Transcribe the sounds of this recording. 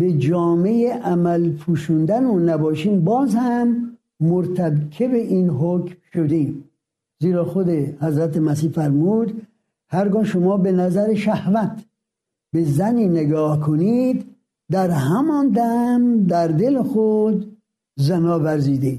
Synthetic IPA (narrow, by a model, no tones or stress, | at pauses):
be̞d͡ʒɒːmejeʔæmælpʰuːʃuːnd̪ænonæbɒːʃiːmbɒːzhæmː | oɾt̪ʰæbkʰebeʔiːnɦokmʃod̪eːm | ziːɾɒːxod̪ehæzɾæt̪emæs̬iːfæɾmuːd̪ | hæɾɡɒːʃomɒːbe̞næzæɾeʃæhvæt̪ʰ | be̞zæniːneɡɒːhkʰonid̪ː | æɾhæmɒːnd̪æmd̪æɾd̪elexod̪ | zænɒːvæɾziːd̪id̪